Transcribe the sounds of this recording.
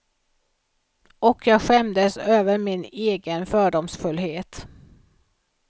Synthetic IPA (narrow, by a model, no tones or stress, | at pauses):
ʔɔkʰjɑːɡɧɛmd̪əsøːvəɾmɪneːɡənfœːɖɔmsfɵlːɦeːt̪